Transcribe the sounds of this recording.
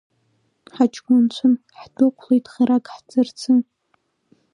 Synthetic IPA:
ħat͡ʃʰʼɡʷʊnt͡ɕʷʰʊn | ħdʊqʷʰlejtʰʼχiɾakʼħd͡zɨrt͡sʰɨn

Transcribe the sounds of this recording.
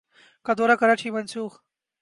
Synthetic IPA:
kad̪oːɾakɐɾaʈ͡ʂʰiːmɐnsuːx

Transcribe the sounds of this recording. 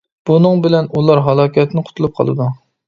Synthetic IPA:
b̥unɨŋbɪlɛnʔulˠɑɾɦɑlˠɑːkʲʰɛt̪nɪqʰʊ̥t̪ʰulˠup̚qʰɑ̰lˠɨ̰d̪u

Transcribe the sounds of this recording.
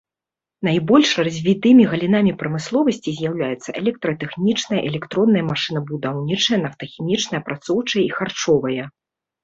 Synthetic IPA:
najbɔlʲʂrazʲvʲit̪ɨmʲiɣɐlʲinamʲipɾɐmɨslˠɔvɐsʲt͡sʲizʲjawlʲajɛt̪sːɐʔɛlʲɛk̚t̪ɾɐt̪ɛxnʲit͡ʂnɐjɐ̰ʔɛlʲɛkt̪ɾɔnːɐjɐmaʂɨn̪ɐbud̪awnʲit͡ʂɐjɐnɐft̪ɐxʲimʲit͡ʂnɐjɐpɾat̪sɔwt͡ʂɐjɛixart͡ʂɔvɐjɐ

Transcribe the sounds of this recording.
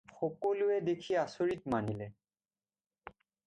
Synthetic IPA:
xɔkoluɛdekʰiasoɹitmanilɛ

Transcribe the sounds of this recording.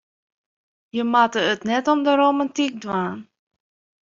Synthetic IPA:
jəmatəətnɛtɔmdəɾomantik̚dʋaːn

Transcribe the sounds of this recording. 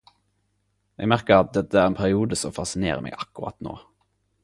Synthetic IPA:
ʔɛɡmæʁkəʁɑt̪̚d̪ɛt̪ːəæːʁenpʰæʁɪuːd̪əsɔmfɑsɪnḛːʁə̰mʔɛ̰ɪɡʔɑkːʊʁɑ̰t̪no̰ː

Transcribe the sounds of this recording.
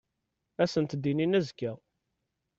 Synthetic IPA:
æsənt̪d̪ːininæzkːæ

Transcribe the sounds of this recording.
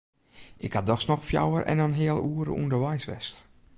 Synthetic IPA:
ʔɪkhadɔxsnɔxfja̰wərʔɛ̰nənɦɪəlˠuəɾə̰ʔṵndərʋɛjsʋɛ̰st

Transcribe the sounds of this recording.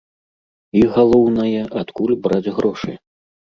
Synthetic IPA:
iɣalˠɔwnɐjɛʔat̪kulʲbɾad͡zʲɣɾɔʂɨ̰

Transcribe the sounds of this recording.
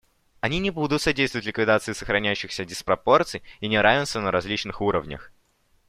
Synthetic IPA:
ɐnʲinʲɪbud̪ʊt̪sɐdʲejst̪vətʲlʲɪkvʲɪd̪at̪sɨɪsəxɾɐnʲæjʉɕːɪxsʲədʲɪspɾɐpo̞rt̪sɨjinʲɪɾavʲɪnst̪vənəɾɐzʲlʲit͡ɕnɨxuɾəvnʲə̰x

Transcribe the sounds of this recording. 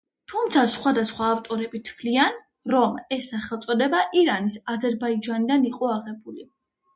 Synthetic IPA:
t̪ʰumt̪sʰasχwad̪asχwaːft̪ʼɔɾɛbit̪ʰvlian | ɾɔmɛsːaχɛlˠt̪sʼɔd̪ɛbaʔiɾanisazɛɾbaid͡ʒanid̪aniqʼɔaʁɛbuli

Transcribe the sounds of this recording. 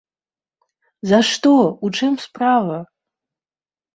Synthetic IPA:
zɐʂt̪ɔut͡ʂɛmspravɐ

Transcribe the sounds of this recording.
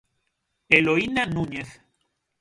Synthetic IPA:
eloinanũɲeθ

